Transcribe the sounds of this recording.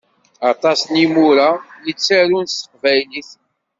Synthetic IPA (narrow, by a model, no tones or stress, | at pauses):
ɑt̪ˤɑsnimuɾajət͡sːæɾunsə̥qvæjliθ